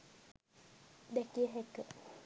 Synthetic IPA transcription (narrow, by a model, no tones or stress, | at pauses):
d̪ɛkiəɦɛkə